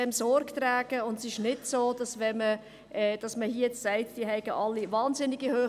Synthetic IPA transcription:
ɛmsɔɾkt̪ɾæːɡ̥əʊndsɪʃnɪdsoːd̥ɑsʋɛmə | ʔɛːd̥ɑsməhiːjɛt͡ssɛɪtd̥iəɦɛɪɡ̥əʔɑlːivɑːnzɪnɪɡihøː

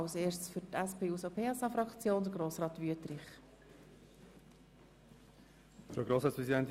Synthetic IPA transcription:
seːʃt͡sfʏɾtæspʰeːusopʰeːɑsɑfɾɑkt͡sjoːnd̪əɾɡɾoːsʁɑːt̪ʋyətɾɪχ | fɾoɡɾoːsɑːtspʁɛzidɛnt̪

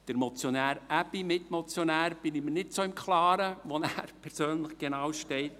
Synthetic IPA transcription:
d̥əɾmɔt͡sjonæːɾæpimɪtmot͡sjonæːɾb̥ɪnimənɪtsoːɪmkχlɑːɾəʋonæːɾpʰɛɾsøːnləχɡ̥enɑwʃtɛɪt

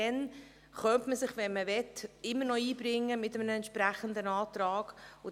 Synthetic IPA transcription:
ɛn | χœntməsɪχʋɛnməʋɛtɪmːəɾnɔiːbɾɪŋːəmɪtəmənəɛntʃpɾæχənd̪ənɑːt̪ɾɑːɡ̥ʊ

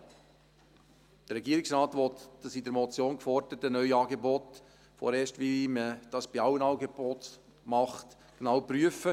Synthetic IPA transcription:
d̥əɾɛɡiəɾɪksɾɑːt̪ʋɔt̪d̥ɑsidəɾmɔt͡sjoːnkfɔɾd̥əɾətənœʏɑːɡebɔt | fɔ̰ɾeːʃtʋiməd̥ɑsb̥iɑwənɑːɡebot̪ | mɑχt | ɡ̥nɑwpryəfə

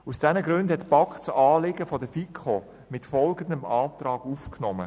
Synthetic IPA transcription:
usd̥ɛnəɡɾʉndhɛtpɑkχt͡sɑːlɪɡəfɔdəfikʰχo | mɪtfɔlɡən̩dəmɑːt̪ɾɑːɡ̥ufknɔmə̰

